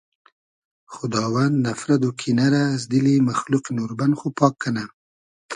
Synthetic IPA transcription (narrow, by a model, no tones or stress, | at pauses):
xʊd̪ɑwand̪nafɾad̪okʰinaɾazd̪ɪlimaxluqinuɾbanxopɑkːana